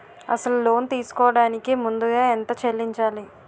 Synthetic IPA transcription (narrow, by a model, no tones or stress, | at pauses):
ɐ̰sɐlulo̞ːnt̪iːsu̥kɔːɐɽaːnikimund̪uɡaːent̪ɐt͡ʃelːiɲt͡ʃaːli